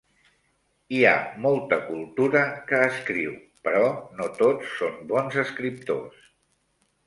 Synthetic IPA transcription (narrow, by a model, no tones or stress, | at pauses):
ia̰molˠt̪əkulˠt̪uɾəkəːskɾiw | pəɾɔnot̪ot͡sːombɔnzəskɾip̚t̪o̰s